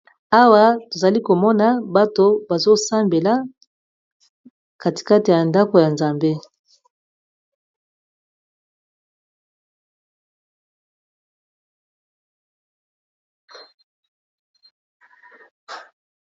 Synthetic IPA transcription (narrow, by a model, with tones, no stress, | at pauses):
a˦wa˦to˨za˨li˦ko˨mɔ˦na˨ba˦to˦ba˨zo˦sa˦mbe˨la˦ | ka˨ti̥˨ka˦te˨ja˨nda˦ko˨ja˨nza˨mbe˦